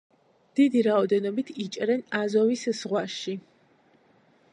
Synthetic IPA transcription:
d̪̥id̪iɾaɔd̪ɛnɔbit̪ʰit͡ʃʼɾɛnazɔviszʁwaʃi

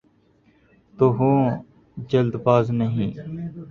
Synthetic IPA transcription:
t̪oɦõː | d͡ʒəld̪paːznəɦĩː

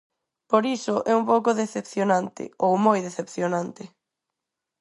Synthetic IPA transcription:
poɾisʊʔɛumpowkʊðeθepθjonãnt̪ɪ̰owmojðeθepθjonãnt̪ɪ

